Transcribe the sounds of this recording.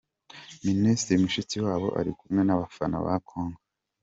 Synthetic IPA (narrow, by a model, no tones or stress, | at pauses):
ministɾimuʃit͡siwaːβo̞̰ʔa̰ɾikumŋe̞naβafana̰βa̰kʰoːŋɡa